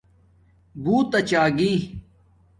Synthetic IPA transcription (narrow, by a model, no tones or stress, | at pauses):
buːt̪ɐt͡ɕaːɡiː